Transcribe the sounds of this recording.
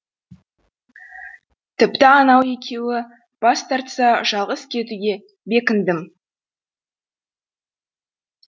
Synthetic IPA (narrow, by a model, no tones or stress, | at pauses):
t̪ʰɪpt̪ɪɑnɑwe̞kʲʰe̞wɪ | b̥ɑst̪ʰɑɾt̪ə̥sɑʒɑlˠʁəskʲʰe̞t̪uɡʲe̞ | be̞kʲɪnd̪ɪm